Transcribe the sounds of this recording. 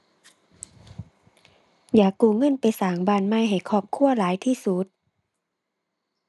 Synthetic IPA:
jaː˨˩kːuː˧˩ŋɤ˧˥˨npa˧˨jsaː˨˦ŋbaː˧˩˨nma˧˥˨jɦa˨˩jkʰɔː˧˩p̚kʰu˧˥˨ɐlaː˨˦jt̪ʰiː˧˥˨su˧˦t̪̚

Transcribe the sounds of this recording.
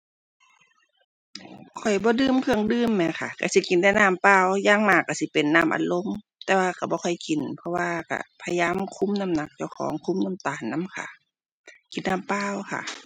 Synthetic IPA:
kʰɔ˨˩jbɔː˧˦dɯː˧˥˨mkʰɯ˧˩əŋdɯː˧˨mːɛ˧˩kʰa˧˩ka˧˩si˧˦ki˨nda˧˩jnaː˧˨mpaː˧˩˨wjaː˧˨ŋmaː˧˩kːa˧˩si˧˦pe˨nːaː˧˩˨mʔa̰˨nlo˧˨m | t̪ɛː˧waː˧ka˧˩bɔː˧˦kʰɔ˧˨˩jki˨npʰɔ˧waː˧ka̰˧˩pʰa˧jaː˧˥˨mkʰu˧˥˨mna˧˨mna˧˩k̚t͡ɕa˧˩wkʰɔ̰ː˨˦ŋkʰu˧˥˨mna˧˥˨mt̪aː˨˩nːa˧˥˨mkʰa̰˧˩ | ki˨nːaː˧˨mpaː˧˨wkʰa̰˧˩ʔ

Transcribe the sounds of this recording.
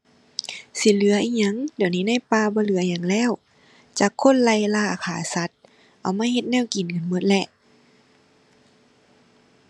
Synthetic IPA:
si˧˦lɯ˨˦ɐʔiː˧ɲa˧˥˨ŋdi˨˩˨wniː˧˥˨na˧˥˨jpaː˧bɔː˧˦lɯ˨˦ɐ˧ɲa˧˦ŋlɛː˧˥˨w | t͡ɕaː˧˩kʰːo˧˥˨nla˧˩jlaː˧˩˨kʰaː˨˩˦sa˧˦t̪̚ | ʔa˨˩wmaː˧˥˨he˧t̪̚nɛː˧˥˨wki˨˩nkɯ˨nmo˧˦t̪̚lɛ˧ʔ

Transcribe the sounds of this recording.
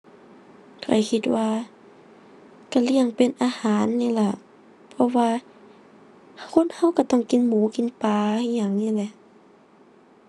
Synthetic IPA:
kʰa̰˨˩jkʰi˧t̪̚waː˧ | ka˧˩li˧˩əŋpe˨nʔaː˧haː˨˦nːiː˧˨la˧˩ | pʰɔ˧waː˧ | kʰo˧˥˨nha˧˨wka˧˩t̪ɔ˧˩˨ŋki˨˧˦nmuː˨˦ki˧˨˦npaː˨˧˦ɲaː˧˩ŋniː˧˥˨lɛ˧˩˨ʔ

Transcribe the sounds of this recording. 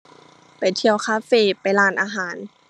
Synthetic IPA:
pa˨˩jt̪ʰi˧əwkʰaː˧˥feː˧˨pa˨jlaː˧˩nʔaː˧ɦaː˨˩˦n

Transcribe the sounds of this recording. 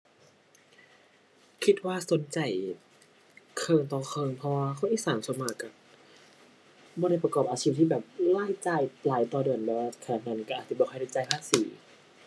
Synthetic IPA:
kʰi˧˥t̪̚waː˧˥˩so˨˦nt͡ɕa˨˩j | kʰɤː˧ŋt̪ɔː˧˩kʰɤː˧ŋpʰɔ˧waː˧kʰɔ˧˥˩nʔiː˧˩saː˨˦nsu˧˦nmaː˧˩kːa˧˩ | bɔː˧ɾa˧˥˩jpɾa˧kɔː˨˩p̚ʔaː˧t͡ɕʰiː˦˥˧p̚t̪iː˧˩bɛː˨˩p̚laː˥˩jt͡ɕaː˧˩jlaː˨˦jt̪ɔː˧dɯ˨˩ənbɛː˧˩waː˧a˨˩kʰa˧aː˨˩t̪̚na˧˩n˨ka˧˩ʔaː˨˩sʰi˧˩bɔː˧xɔ˧˥˩ɾa˧˩jt͡ɕa˧˩jbʰaː˧˥˩siː˨˦

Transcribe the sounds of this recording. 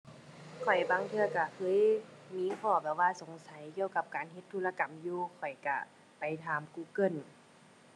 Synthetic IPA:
kʰɔ˨˩jbaː˧˦ŋt̪ʰɯ˧ɐka˧˩kʰɤː˧˥˨jmiː˧˥˨kʰɔː˧˩bɛː˧˩waː˧˨so˨˦ŋsa˨˦jki˧əwka˧˦p̚kaː˨˦nɦe˧˦t̪ʰːuː˧˥˨la˧ka˨mjuː˧kʰɔ˨˩jka̰˧˩ | pa˨˩jt̪ʰaː˨˦mkuː˧˩kɤ˧˩˨n

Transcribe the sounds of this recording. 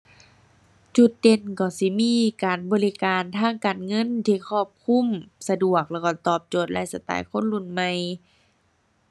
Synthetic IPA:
t͡ɕu˧˩t̪̚de˧˩nkɔː˧˩si˧˦miː˧˥˨kaː˨˩nbɔː˨li˧kaː˨nt̪ʰaː˧˥˩ŋkaː˨nŋɤ˧˥˨nt̪ʰiː˧˨kʰɔː˧˩p̚kʰu˧˥˨msa˧du˧˩ək̚lɛː˧˩wkɔ˧˩t̪ɔː˧˩p̚t͡ɕoː˧˩t̪̚la̰˧˨jsa˧t̪a̰ː˨jkʰo˧˥˨nlu˧˩˨nma˧j

